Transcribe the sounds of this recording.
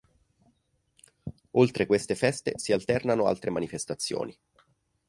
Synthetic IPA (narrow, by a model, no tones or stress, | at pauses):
olt̪ɾʔekwest̪efɛst̪esialt̪ɛrnanoa̰lt̪ɾemanifest̪at̪sːjo̰ːni